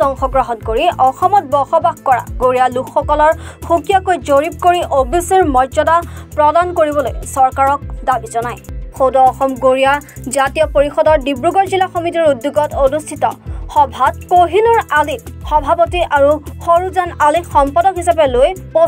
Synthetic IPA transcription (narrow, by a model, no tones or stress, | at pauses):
tɔŋxɔɡɹaɦɔnkoɹiʔɔxɔmɔt̚bɔxɔbaxkɔɹa̰ɡoɹialukxɔkɔlɔɹxukijakojzoɹip̚koɹiʔobiseɹmɔzɔdapɹɔdankoɹibɔlo̰jsɔɹkaɹɔk̚dabizɔnajxowdɔːxɔmɡoɹijazatijɔpoɹixɔdɔɹdibɹuɡɔɹzilaxomitiɹudjuɡɔtonustʰitɔ̰xɔbʱat̚koɦinuɹalikxɔbʱapɔtiʔaɹuxoɹuzanalikxɔmpɔdɔkɦisapɛlojpo